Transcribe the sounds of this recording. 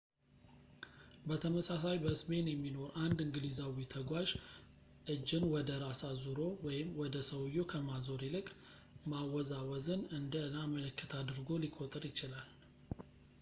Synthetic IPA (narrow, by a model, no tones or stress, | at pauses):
bət̪ʰəməsasajbəsme̞njɛmːino̞ɾʔand̪ɨŋɡlizawit̪ʰəɡʷaʒ | ʔɨd͡ʒːɪnwɔd̪əɾasazuɾo̞wɔjɪmːwɔd̪əsəwjo̞kʰəmazo̞ɾilɨkʼ | mawɔzawɔzənɨnd̪ənamələkːət̪ʰad̪ɨɾɡo̞likʼo̞t̪ʼɨɾjɪt͡ʃɪlal